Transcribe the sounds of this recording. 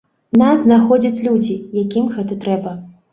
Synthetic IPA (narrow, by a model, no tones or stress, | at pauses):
naznaxɔd͡zʲɐt͡sʲlʲud͡zʲijakʲimɣɛt̪ɐt̪ɾɛbɐ